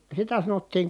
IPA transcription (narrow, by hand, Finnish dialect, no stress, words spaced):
sitæ sɑnotːiːŋ